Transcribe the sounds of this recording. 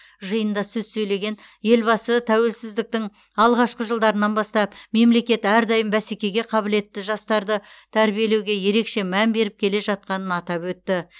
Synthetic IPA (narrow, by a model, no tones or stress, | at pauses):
ʒəjənd̪ɑsɵzsɵjle̞ɡʲe̞n | je̞lbɑsət̪ʰæwe̞lsɪzd̪ɪk̚t̪ɪŋ | ɑlˠʁɑʃqəʒəlˠd̪ɑɾənɑnbɑst̪ɑpme̞mle̞kʲe̞t̪æɾd̪ɑjəmbæsekʲe̞ɡʲe̞qʰɑbɪle̞t̪ːɪʒɑst̪ɑɾd̪ət̪ʰæɾbije̞le̞wɡʲe̞je̞ɾe̞kʃe̞mænbe̞ɾɪp̚kʲʰe̞le̞ʒɑt̪̚qɑnənɑt̪ɑpwɵt̪ːɪ